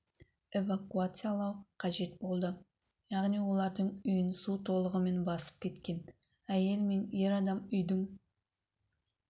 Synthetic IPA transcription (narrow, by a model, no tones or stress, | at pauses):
e̞vakuat̪sɨjalˠɑwqʰɑʒe̞t̪bo̞lˠd̪ə | jɑʁnijwo̞lˠɑɾd̪əɴʏjɪnsut̪ʰo̞lˠəʁəme̞nbɑsə̥p̚kʲʰe̞t̪kʲe̞n | æje̞lme̞ne̞ɾɑd̪ɑmʏjd̪ɪŋ